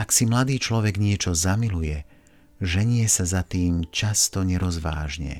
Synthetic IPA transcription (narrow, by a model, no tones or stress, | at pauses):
aksimlad̪iːt͡ʃlɔʋɛɡɲɪɛt͡ʃɔzamilujɛ | ʒɛɲɪɛsazat̪iːmt͡ʃast̪ɔɲɛɾɔzʋa̰ːʒɲɛ̰